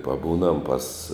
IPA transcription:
pɐˈbuːnɐm pɐs

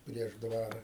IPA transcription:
pʲrʲiɛʃ ˈdʋɑːrɐ

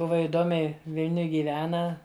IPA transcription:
ˈbʊʋɐ ɪˈdoːmʲɛɪ ˈʋʲɪlʲnʲʊj ɡʲiːˈʋʲæːnɐ

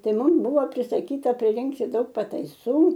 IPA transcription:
ˈtɐɪ ˈmʊm ˈbʊʋoː pʲrʲɪsɐˈkʲiːtɐ pʲrʲɪˈrʲɪŋktʲɪ ˈdɐʊk pɐtɐɪˈsuː

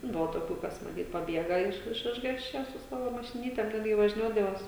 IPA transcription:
ˈbʊʋoː toːˈkʲuː ˈkɐs mɐˈtʲiːt pɐˈbʲiɛɡɐ ɪʃ ɪʃ ˈɪʒɡɑːsʲt͡ʃʲɛ sʊ ˈsɑːʋoː mɐʃʲɪˈnʲiːtʲɛm ˈtɐt jiɛ ʋɐʒʲˈnʲuɔdɐʋoːs

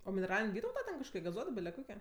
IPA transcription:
oː mʲɪnʲɛˈrɑːlʲɪnʲ ˈʋʲiːtɐʊtɐ tʲɛn kɐʃˈkoːkʲɪ ɡɐˈzuɔtoː ˈbʲɪlʲɛ ˈkoːkʲɪ

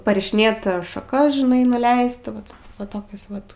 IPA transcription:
pɐrʲɪʃʲɪˈnʲeːt ʃɐˈkɐs ʒʲɪˈnɐɪ nʊˈlʲɛɪst ˈʋɐt ʋɐ ˈtoːkʲʊs ˈʋɐt

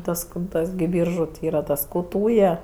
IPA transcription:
ˈtɐs kʊr ˈtɐs ɡʲɪ ˈbʲiːrʒʊ tʲɪ ˈiːrɐ ˈtɐs ˈkuː ˈtuːjɛ

